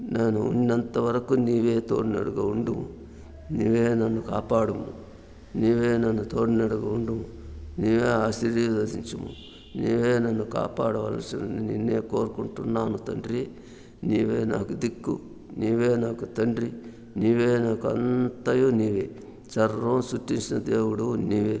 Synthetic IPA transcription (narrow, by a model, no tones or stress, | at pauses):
naːnuṵnːɐnt̪ɐʋɐɾɐkuniːʋeːt̪oːɽinɐ̰ɽuɡɐuɳɖumu | niːʋeːnɐnːukaːpaːɽumu | niːʋeːnɐnːut̪oːɽinɐɽuɡɐuɳɖumuniːʋeːaːsiɾɐd̪ɐd̪iɲt͡ʃumṵ | niːʋeːnɐnːuka̰ːpaːɽɐʋɐ̰ːlsinɐnininːeːkoːɾukuɳʈunːaːnut̪ɐɳɖɾi | niːʋeːna̰ːkud̪ikːṵ | niːʋeːnaːkut̪ɐɳɾi | niːʋeːnaːkuɐ̰nt̪ɐjoːniːʋeː | t͡ʃɐɾomsuʈːiɲt͡ʃinɐd̪eːwuɽuniːʋeː